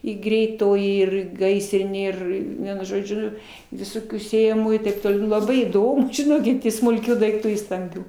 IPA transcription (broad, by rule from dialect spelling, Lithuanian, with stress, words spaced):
ɪ ɡrʲɛɪˈtoːjɪ ɪr ˈɡɐɪsʲrʲɪnʲeː ˈɪr ˈʋʲiɛnʊ ʒoːˈd͡ʒʲʊ ʋʲɪˈsoːkʲuː sʲeːjɛˈmuːjuː tɐɪp toːˈlʲɛʊ lˠɐˈbɐɪ iːˈdoːm ʒʲɪˈnoːkʲɪt ɪ smʊlʲˈkʲuː dɐɪkˈtuː ɪ stɐmʲˈbʲuː